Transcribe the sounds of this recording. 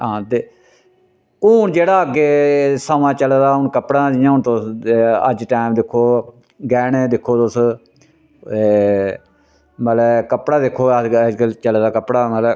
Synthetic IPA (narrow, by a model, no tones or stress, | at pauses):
ɦãːt̪eː | kuːɳd͡ʒeːɽaːəɡeːsaːmãːt͡ʃəlːd̪aːʊnkəpɽãːd͡ʒijãːʊnt̪osə̰d͡ʒʈaːmd̪ɪkʰːoː | ɡɛːneːd̪ɪkʰːoːt̪os | məlɛːkəpɽaːd̪ɪkʰːoːɡəlt͡ʃəlːd̪aːkəpɽaːməlɛ